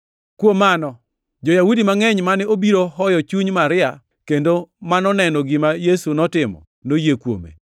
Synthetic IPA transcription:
kwomanɔ | d͡ʒɔjawudimaŋɛɲmanɛobiɾoɦɔjɔt͡ʃuɲmaɾɪa | kendomanɔnɛnɔɡɪmajesunɔtɪmɔ̰ | nojekwo̰mḛ

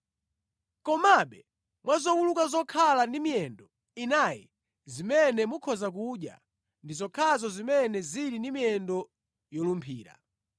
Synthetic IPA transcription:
kɔmaɓɛ | mwazɔwulukazɔkʰalandimiɛndɔ | inajɛ | zimɛnɛmukʰɔzak̬uɗja̰ | ndizɔkʰazɔzimɛnɛziɾindimijɛndɔ | jɔlumpʰḭːɾa̰

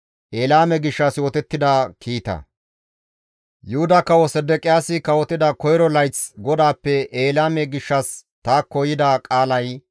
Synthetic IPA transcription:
ʔeːlaːmɛɡɪʃːɐsjoːt̪ɛt̪ːɪd̪akʰiːt̪ɐ̰ | jʊhʊd̪ɐkɐwɔsɛd̪ɛkʼɪjaːsɪkɐwɔt̪ɪd̪ɐkɔjɾɔlɐjt͡sɡɔd̪aːpːɛʔeːlaːmɛɡɪʃːɐst̪aːkːɔjɪd̪akʼaːlɐj

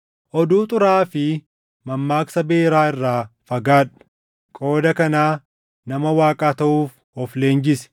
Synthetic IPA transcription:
ʔɔd̪uːt̪ʼʊɾaːfɪ | mɐmːaːksɐbe̞ːɾaːɪrːaːfɐɡaːᶑɐ̥ | kʼo̞ːd̪ɐkɐnaː | nɐmɐwaːkʼaːt̪ɐʔuːf | ɔfle̞ːnd͡ʒɪsɛ̥

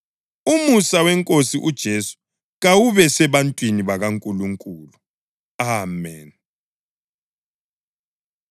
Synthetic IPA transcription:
umusawɛŋkʼosiʔud̥ʒ̥ʱesu̥ | ɣawuβɛsɛβantʼwiniβaɣaŋkʼuluŋkʼuːlu | aːmɛ̰n

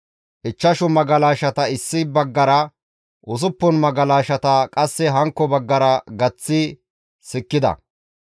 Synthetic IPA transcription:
ʔɪt͡ʃːɐʃʊmɐɡɐlaːʃɐt̪ɐɪsːɪbɐɡːɐɾɐ | ʔʊs̬ʊpːɔnmɐɡɐlaːʃɐt̪ɐkʼɐsːɛɦɐŋkːɔbɐɡːɐɾɐɡɐt͡sːɪ | sɪkːɪd̪ɐ̰

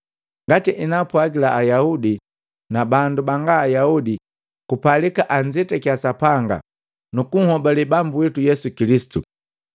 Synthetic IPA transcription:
ŋɡatiʔinapwaɡilaʔːjaudi | nabandubaŋɡaːjaudi | kupalikaʔaɲd͡ʒitɛkasapaŋɡa̰ | nukuŋhɔbalibambuwitujɛsukilisi̥tu

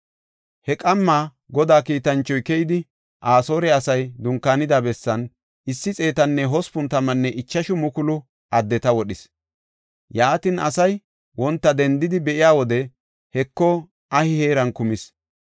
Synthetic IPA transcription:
hɛkʼɐmːaː | ɡɔd̪aːkiːt̪ɐnt͡ʃːɔjkɛjɪd̪ɪ | ʔaːso̞ːɾɛɐsɐjd̪ʊŋkːaːnɪd̪abɛsːɐn | ɪsːɪt͡sʼe̞ːt̪ɐnːɛɦɔspʊnt̪ɐmɐnːɛʔɪt͡ʃːɐʃʊmʊkʊlʊ | ʔɐd̪ːɛt̪ɐwɔɗɪs | jaːt̪ɪnɐ̰sɐj | wɔnt̪ːɐd̪ɛnd̪ɪd̪ɪbɛʔɪjaːwɔd̪ɛ | hɛkːɔ | ʔɐhɪheːɾɐnkʊmɪs

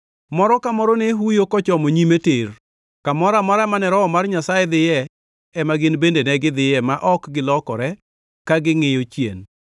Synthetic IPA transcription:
mɔɾɔkamɔɾɔneɦujokɔt͡ʃɔmoɲimeter | kamɔɾamɔɾamanɛɾɔɔmarɲasajɛd̪ɪjɛ | ɛmaɡɪnbendenɛɡɪd̪ɪjɛmaʔɔkɡɪlɔkɔɾɛ | kaɡɪŋɪjot͡ʃjḛn

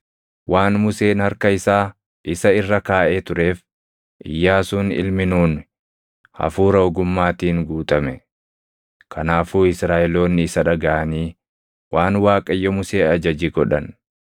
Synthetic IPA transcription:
wʔaːnmʊse̞ːnhɐɾkɐɪsaː | ʔɪsɐɪrːɐkaːʔeːt̪ʊɾe̞ːf | ʔɪ̰jːaːsuːnɪ̰lmɪnuːn | hɐ̰fuːɾɐʊɡʊmːaːt̪iːŋɡuːt̪ʼɐmɛ | kʰɐnaːfuːɪsɾaːʔɛlo̞ːnːɪɪsɐᶑɐɡɐʔɐniː | waːnwaːkʼɐjːɔmʊse̞ːɐd͡ʒɐd͡ʒiːɡɔᶑɐn

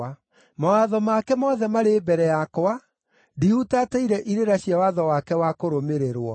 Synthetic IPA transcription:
a | mawaðɔmakɛmɔðɛmaɾebɛɾɛjakoa | dihutataiɾɛʔiɾeɾaɕiawaðɔwakɛwakoɾomeɾeɾwɔ

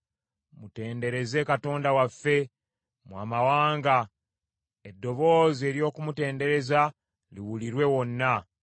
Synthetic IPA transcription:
mute̞ːnde̞ɾe̞ze̞kato̞ːndawafːe̞ | mwa̰ːmawaːŋɡa | edːo̞βo̞ːze̞ːɾjo̞ːkumute̞ːnde̞ɾe̞za | liwuliɾwe̞wo̞nːa

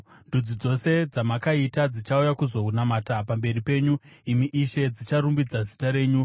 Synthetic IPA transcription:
ndud͡zid͡zo̞se̞d͡zamakaitad͡zit͡ʃaujakuzo̞ɦunamaːtapambe̞ripe̞ːɲuimiʔiʃe̞d͡zit͡ʃaɾumbid͡zazitaɾe̞ːɲu

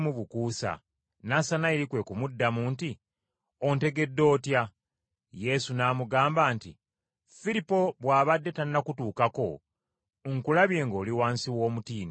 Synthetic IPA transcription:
muβukuːsa̰ | nasanaeɾikwe̞kumudːamunti | o̞nte̞ɡe̞dːo̞ːtja | je̞sunaːmuɡaːmbaːntḭ | fiɾipo̞βwaːβadːe̞tannakutuːkako̞̰ | ŋkulaβje̞ːŋɡo̞ːliwaːnsiwo̞ːmutiːno

